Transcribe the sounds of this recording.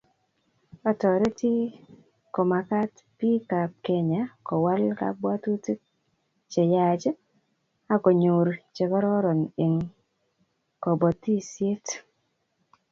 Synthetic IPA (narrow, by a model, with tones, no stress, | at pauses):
ɔ˦˨tɔ˨ɾe˦ti˦ | ko˨ma˨ka˦t | pi˦ka˨p̚ke˨ɲa˨kɔ˨wa˦lka̰˦bwa˦tu˦ti˦ | t͡ʃe˨ja˨d͡ʒe˦ | a˦kɔ˨ɲo˨ɾt͡ʃe˨kɔ˦ɾɔ˦ɾɔ˨ne˨ŋ | kɔ˨bɔ˨t̪ːi˦sje˦t